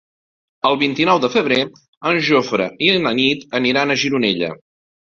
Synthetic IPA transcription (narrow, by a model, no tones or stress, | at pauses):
əlˠβint̪inɔwðəfəβ̞ɾe | ənʒofɾəiənənit̪əniɾanəʒiɾunɛʎə̰